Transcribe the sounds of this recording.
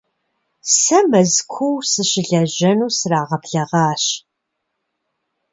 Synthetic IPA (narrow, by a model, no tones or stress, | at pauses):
sɐmɐzkʷʰuwsɨɕɪɮɐʑɐnuːsraːʁɐbɮɐʁɑːɕ